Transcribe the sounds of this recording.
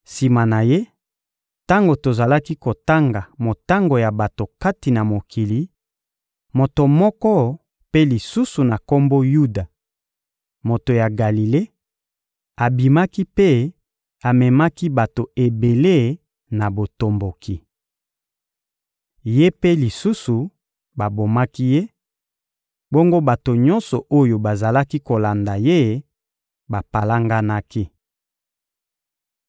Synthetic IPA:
si˨ma˨na˨je˦ | ta˦ŋɡo˨to˨za˨la˦ki˦ko˨ta˦ŋɡa˨mo˨ta˦ŋɡo˨ja˨ba˨to˨ka˦ti˨na˨mo˨kʰi˨li˨˦ | mo˨to˨mɔ˦kɔ˦ | pe˦li˨su˦su˨na˨ko˦mbo˦ju˦da˨ | mo˨to˨ja˨ɡa˨li˨le˦ | a˨bi˨ma˦ki˦pe˦ | a˨mɛ˨ma˦ki˦ba˨to˨e˨be˨le˦ | na˨bo˨to˨mbo˨ki˨ | je˦pe˦li˨su˦su˨ | ba˨bo˨ma˦ki˦je˦ | bo˦ŋɡo˦ba˨to˨ɲɔ˦nsɔ˨ʔo˦jo˨ba˨za˨la˦ki˦ko˨la˨nda˨je˦ | ba˨pa˨la˦ŋɡa˦na˦ki˦

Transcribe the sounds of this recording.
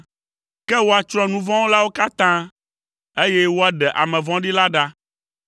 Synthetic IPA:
kɛ˦wo˦a˨t͡ʃɾɔ̃˦nũ˦vɔ̃˦wo˦la˦wo˦ka˦t̪ã˦ | e˦jɛ˦wo˦a˦ɖɛ˨ʔa̰˨mɛ̃˨vɔ̃˦ɖi˦la˦ɖa˦

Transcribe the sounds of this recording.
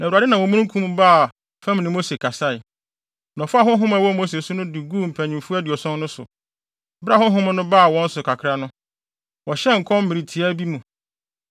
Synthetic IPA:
nã˨a˨dɪ˦nã˨wɔ̃˨mũ˦kʰũ˦m˦ba˦˨ | fã˦m˨nɪ̃˨mo˦se˨kʰa˨sa˦ɪ˨ | nɔ̃˨fʊ˦a˦˨ɦʊ̃˦ɦʊ̃˦mã˨wɔ˦mo˦s̬e˨sʊ˦nʊ̃˦dɪ˨ɡuː˦m̩˨pʰæ̃˨ɲĩ˨mfu˦æ˦di˨ɔ˨sɔ̃˦n˦nʊ̃˦sʊ̰˨ | ba˦hʊ̃˦ɦʊ̃˦m̃˦nʊ̃˦ba˦˨wɔ̃˦n̩˦sʊ˨kʰa˨kʰɾa˦nʊ̃˦ | wɔ˨ɕɛ˦ŋ̩˨kʰɔ̃˦m̩˦mɪ̃˨ɾi˨tʰi˨æ˦bi˦mũ˨

